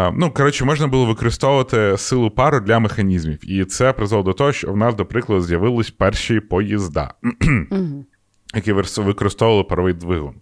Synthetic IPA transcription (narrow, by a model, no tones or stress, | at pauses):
nukɔɾɔt͡ʃɪmɔʒnɐbulˠɔʋɪkɔɾɪst̪ɔʋʊʋɐt̪ɪsɪlˠʊpɑɾʊd̪lʲɐmexɐnʲizmʲiwit̪sɛpɾɪzɐlˠɔd̪ɔt̪ɔɦɔʃt͡ʃɔwnɑzd̪ɔpɾɪklˠɐd̪ʊzʲjɐʋɪlˠɪsʲpɛrʃijipɔjizd̪ɑ̰ | jɐkiʋɪkɔɾɪst̪ɔʊʋɐlˠɪpɐɾɔʋɪjd̪ʋɪɦʊ̰n